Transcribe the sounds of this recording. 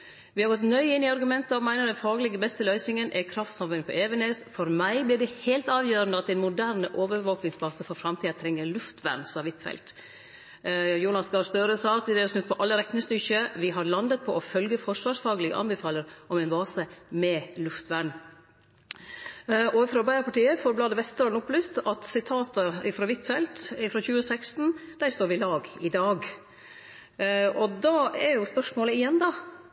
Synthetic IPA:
ʋɪhɑɾɡɔt̪nœʏɪnːɪɑɾɡʉmɛnt̪əɑʋmæɪnəɖ̪ɛnfɑːɡəlɪɡəbɛst̪əlœʏsɪŋənʔɛkʰɾɑft̪sɑmfʉnpʰɔ̰ʔeːʋənɛsfɔɾmæɪblɪːɖɛhæɪlt̪ɑːʋjøːɾənəɑt̪ːɛɪnmʊd̪æːɾnəʔoːʋəɾʋoːknɪŋsbɑːsəfɔɾfɾɑmt̪ʰiːɑt̪ʰɾɛŋːəɾlʉft̪ʰʋæ̰ɾɳsɑʋɪt̪fɛ̰lt̪ | juːnɑsɡɑst̪øːɾəsɑːt̪ɪd̪ɛɔsnʉt̪̚pʰɔʔɑlːəɾɛk̪nəst̪ʏçəʋɪɦɑɾlɑnd̪ət̪̚pʰɔʔɔfœlɡəfɔʂʋɑːʂfɑːɡəlɪɡə̰ʔɑ̰nbəfɑːləɾʔɔmɛɪnbɑːsəmɛlʉft̪ʋæɳ | ɔɪfɾoːbæɪəɾpɑʈiːəfɔɾblɑd̪əʋɛst̪ɾɑnʊpːlʏst̪ɑt̪sɪt̪ʰɑːt̪əɪfɾoːʋɪt̪ːfɛlt̪ɪfɾoːçʉːəsɛkst̪n̩d̪̥æɾst̪oːɾʋɪlɑːɡɪd̪ɑːɡ | ɔd̪ɑːɛɾjʊspœʂmoːləɪjɛnd̪ɑ

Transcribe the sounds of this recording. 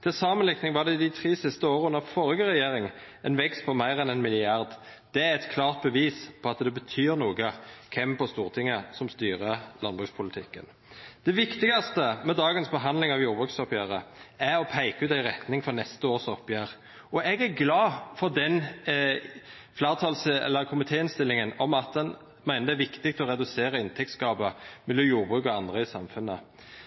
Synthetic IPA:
t̪ʰɪlsɑːmənlɪknɪŋʋɑːd̪ɛɪd̪ɪt̪ʰɾiːsɪst̪əoːɾəʉnːəfɔɾɪɡəɾɛjeːɾɪŋ | ɛnʋɛkst̪̚pʰɔmæɪɾɛnɛnmɪlɪɑʁd̪ | d̪̥ɛæɾɛt̪kʰlɑːʁt̪̚bəʋiːspʰɔɑt̪d̪ɛbət̪ʰyːɾnuːɡəkʰɛmpɔst̪uːʁt̪ʰɪŋːəsɔmst̪yːʁəlɑnbʁʉkspʰʊlɪt̪ʰɪkːə̰n | d̪̥ɛʋɪkt̪ɪɡɑst̪əmɛd̪ɑːɡənsbəɦɑnd̪lɪŋɑʋjuːɾbʁʉksɔpjæːɾəæɾɔpʰæɪkəʉːt̪æɪʁɛt̪nɪŋfɔɾnɛst̪əoːʁsɔpːjæːɾ | ɔʔɛɡæɾɡlɑːfɔʁd̪ɛn | flæːʁt̪ʰɑːlsɛ̰lːəɾkʰʊmɪt̪ʰeːɪnst̪ɪlːɪŋənɔmɑt̪̚d̪ɛn | mæɪnəd̪æʋɪkt̪ɪk̚t̪ɔɾɛd̪ʉseːʁəɪnt̪ʰɛk̚t̪skɑːbəmɛlːɔmjuːɾbʁʉːkɔɑnd̪ʁəɪsɑmfʉnːə

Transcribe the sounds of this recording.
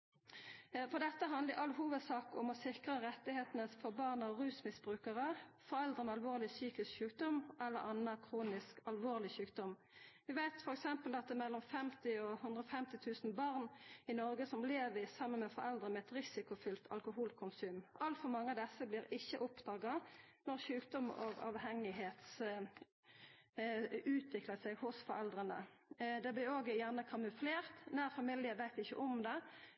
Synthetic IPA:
fɔʁd̪ɛt̪ːəɦɑnləɾʔɑlɦuːʋəd̪sɑːkɔ̰mɔsɪkʁəʁɛt̪ːɪheːt̪ənəsfɔʁbɑʁnɑʁʉːsmɪsb̥ʁʉːkəʁəfɔɾɛld̪ʁənɛɑlʋoːʁlɪsyːkɪskçʉːk̚d̪ɔmʔɛlːə̰ɾɑnːəkʰʁuːnɪskɑlʋoːʁlɪçʉːk̚d̪ɔm | ʋɪʋæɪt̪fɔɾɛksɛmpəlɑt̪̚d̪ɛmɛlːɔmfɛmt̪ɪɔhʉnd̪ʁɔfɛmt̪ɪt̪ʰʉːsn̩bɑʁnɪnɔʁɡəsɔmleːʋɪsɑmːənmɛfɔɾɛld̪ɾʁənmɛɛt̪ʁɪsɪkʊfʏlt̪ʰɑ̰lkʊɦuːlkʰʊnsʉːmʔɑlt̪fɔʁmɑŋːəɑʋd̪ɛsːəblɪːʁɪçːəʔʊpd̪ɑːɡɑnɔʁʃʉːkd̪ɔmo̰ːɡɑ̰ːʋhɛŋɪɦeːt̪s | ʉːt̪ʋɪkləsɛɡhʊsfɔɾɛld̪ʁənə̰d̪ɛblɪɾoːɡjæʁnəkʰɑmʉfleːʁt̪næːʁfɑmɪljəʋæɪt̪ɪçə̰ʔɔmd̪ɛ

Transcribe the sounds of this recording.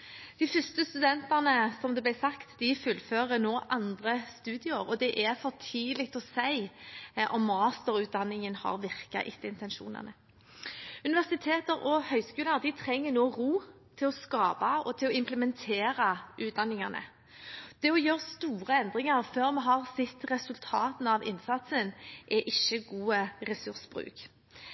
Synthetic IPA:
d̪̥ɪfʏst̪əst̪ʉd̪ɛnt̪ɑʁnəsɔmd̪ɛblæɪsɑkt̪d̪ɪfʉlːføːɾənoːʔɑnd̪ʁəst̪ʉːd̪ɪəɾɔd̪ɛʔɛɾfɔʁt̪ʰiːlɪk̚t̪ɔsæɪʔɔmːɑːst̪əɾʉːd̪ɑnːɪŋənhɑ̰ʁʋɪʁkɑ̰ʔɪt̪ːəɪnt̪ɛnʃṵːnə̰nə | ʉnɪʋæʁsɪt̪ʰeːt̪əɾɔhœʏskʉːləɾd̪ɪt̪ʰɾɛŋːənoːɾuː | t̪ʰɪlɔskɑːbɑɔt̪ʰɪlɔɪmpləmɛnt̪ʰeːɾɑʔʉːt̪̚d̪ɑnːɪŋɑnə̰ | d̪̥ɛɔjøːʁst̪uːʁəɛnd̪ʁɪŋɑɾføːʁmɛɦɑʁsɪt̪ːʁɛsʉlt̪ʰɑːt̪n̩ɑʋɪ̰nsɑt̪sənʔɛʔɪʃːəɡuːəʁɛsʉʁsb̥ʁʉ̰ːk

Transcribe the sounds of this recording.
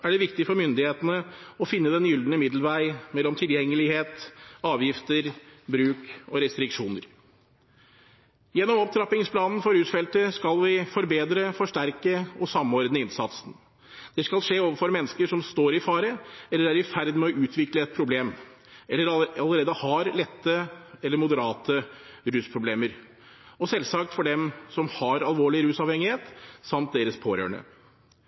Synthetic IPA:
æɖɛʋɪkt̪ɪfɔɾmʏnd̪ɪheːt̪ənəɔfɪnːəd̪ɛnjʏld̪nəmɪd̪ləʋæɪmɛlːɔmt̪ʰɪljɛŋːəlɪheːt̪ɑːʋjɪft̪əɾbɾʉːkɔɾɛst̪ɾɪkʂuːnəɾ | jɛnːɔmɔp̚t̪ʰɾɑpɪŋspʰlɑːnn̩fɔɾʉːt̪fɛlt̪əskɑlʋɪfɔɾbeːd̪ɾəfɔʂʈæɾkəɔsɑmɔɾd̪nəɪnsɑt̪sn̩ | d̪̥ɛskɑlʂeːoːʋəfɔɾmɛnːəskəʂɔmst̪oːɾɪfɑːɾəɛlːəɾæɾɪfæɾd̪mɛɔʔʉːt̪ʰʋɪkləɛt̪̚pʰɾʊbleːm | ɛlːəɾɑləɾeːd̪əhɑɾlɛt̪ːəɛlːəɾmʊd̪əɾɑːt̪ʰəɾʉːspʰɾʊbleːməɾ | ɔsɛlsɑk̚t̪fɔɖɛmsɔmhɑɾɑlʋoːɭɪɾʉːsɑːʋhɛŋːɪheːt̪sɑmt̪̚d̪eːɾəspʰoːɾø̰ːɳə̰

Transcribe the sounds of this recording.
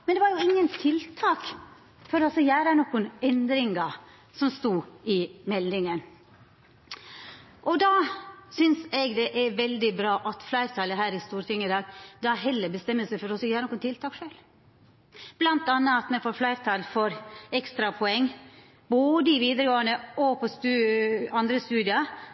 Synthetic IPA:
mɛnd̪ɛʋɑɾjʊɪŋːənt̪ʰɪlt̪ʰɑːk | fɔɾɔsɔjæːɾənɔkːʊnɛnd̪ɾɪŋɑ | sɔmst̪uːɪmɛld̪ɪŋən | ʔɔd̪ɑsʏnsɛɡd̪ɛʔæɾʋɛld̪ɪbɾɑːʔɑt̪flæɪɾt̪ʰɑːləɦæːɾɪst̪uːɾt̪ʰɪŋːəd̪ɑːɡd̪ɑɦɛlːəbəst̪ɛmːəsæɪfɔɾɔsɔjæːɾənɔkʊnt̪ʰɪlt̪ʰɑːkʂøːl | b̥lɑnt̪ɑnːəɑt̪mɛnfoːɾflæɪɾt̪ʰɑːlfɔɾɛkst̪ɾɑpʰɔɛŋː | boːd̪əɪʋiːd̪əɾəɡoːənəɔpʰɔst̪ʉɑnd̪ɾəst̪ʉːd̪ɪɑ

